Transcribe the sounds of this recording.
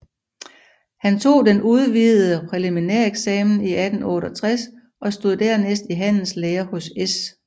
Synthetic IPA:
hænt͡sʰo̝̰ːd̥enuð̞ˠʋið̩ˠəpʰʁɛlimineɐ̰eɡ̥sɛːmn̩iæd̥n̩ɔ̽ːɾɒt͡sʰʁas | ɒ̽sd̥o̝ð̰ˠd̥æɐnesd̥iɦæn̰n̩sleːɐhɔ̽ses

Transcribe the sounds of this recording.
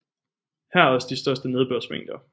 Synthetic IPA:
hæɐ̰ɐɒ̽sd̥isd̥ɶɐsd̥əne̝ð̞ˠb̥øɐ̰smḛŋ̰d̥ɐ

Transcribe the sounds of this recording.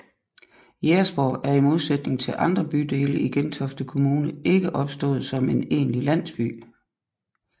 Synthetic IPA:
jeɐsb̥ɒ̰ːʔæɐimo̝ð̞ˠsed̥ne̝ŋt͡sʰe̝lʔɑ̈nd̥ʁɐb̥yd̥e̝̰ːləiɡ̥ent͡sʰɒ̽fd̥əkʰo̝muːnəe̝ɡ̥əʔɒ̽b̥sd̥ɔ̰̽ːð̞̩ˠsɒ̽me̝ne̝̰ːnlilæn̰sb̥y̰ː

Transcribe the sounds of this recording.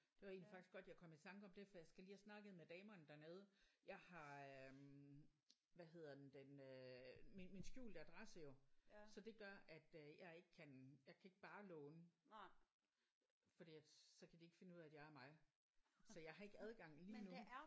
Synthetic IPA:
d̥e̝ʋɑ̈e̝̰ːnliifɑɡ̥isɡ̥ɒ̽d̥jɑ̈kʰɒ̽mit͡sʰɑ̈ŋɡ̥əɒ̽md̥e̝fɒ̽jɑɪsɡ̥æliːhæsnɑ̈ɡ̥əð̩ˠmed̥ɛːmɐːnd̥æɐne̝ːð̞ˠjɑ̈ɪhɑ̈øm | ʋæɦe̝ð̞ˠɐd̥end̥enømiminsɡ̥jṵːld̥əæd̥ʁasəjo̝sɒ̽d̥e̝ɡ̥ɶɐʔæd̥øjɑ̈ɪe̝ɡ̥əkʰænjɑ̈ɪkʰæe̝ɡ̥b̥ɑ̈ːlɔːnə | fɒ̽d̥ḭːæ̥sɒ̽kʰæd̥ie̝ɡ̥fe̝nəuð̰ˠæd̥jɑ̈ɪæɐmɑ̈ɪ | sɒ̽jɑ̈ɪɦɑ̈e̝ɡ̥əæð̞ˠɡ̥ɑ̈ŋ̰liːnu

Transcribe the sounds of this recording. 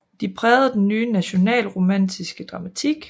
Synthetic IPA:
d̥ipʰʁɛːð̩ˠd̥enːyːnæɕo̝nɛ̰ːlʁo̝mæn̰d̥ʰisɡ̥əd̥ʁɑ̈mæt͡sʰiɡ̥

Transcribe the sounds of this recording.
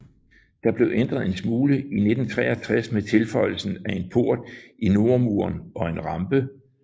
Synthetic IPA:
d̥ɑ̈b̥le̝ʊʔend̥ʁɐð̞̩ˠe̝nsmuːləine̝d̥n̩t͡sʰʁɛ̰ːɒt͡sʰʁasmet͡sʰe̝lfɒ̽ɪ̰l̩sn̩æe̝npʰo̝ɐ̰d̥ʔino̝ɐmuɐnɒ̽e̝nʁɑ̈mb̥ə

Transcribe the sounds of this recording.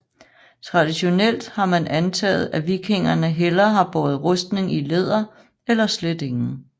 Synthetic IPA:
t͡sʰʁɑ̈d̥iɕo̝nel̰d̥hɑ̈mænænt͡sʰɛ̰ːð̩ˠæʋiɡ̥ʰe̝ŋɐnəɦelɐɦɑ̈b̥ɒːð̞̩ˠʁɔsd̥ne̝ŋile̝ð̞̰ˠɐ | elɐsled̥e̝ŋn̩

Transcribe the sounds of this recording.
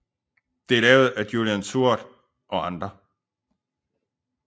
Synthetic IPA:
d̥e̝lɛːʊð̞̩ˠæ̥juliænsʰuɐ̰d̥ | ʔɒ̽ɑ̈nd̥ʁɐ

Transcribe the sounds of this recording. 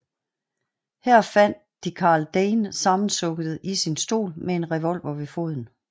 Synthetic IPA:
hæɐ̰fæn̰d̥ | ikʰɑ̈ːld̥eːnsɑ̈mn̩sɔ̽ɡ̥əð̩ˠisinsd̥o̝̰ːlmee̝nʁɛʋɒ̽lʋɐʋe̝fo̝ð̞̰ˠn̩

